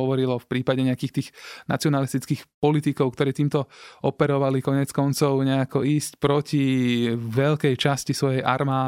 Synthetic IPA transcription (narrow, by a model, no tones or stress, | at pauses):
ɔʋɔɾilɔfpɾiːpaɟɛɲɛakiːxt̪iːɣna̰t͡siɔnalist̪it͡skiːxpɔlit̪ikɔʊkt̪ɔɾɛːt̪iːmt̪ɔɔpɛɾɔʋalikɔɲɛt͡skɔnt͡sɔʊɲɛakɔiːscpɾɔciʋɛʎkɛjt͡ʃascisʋɔjɛjʔaɾmaː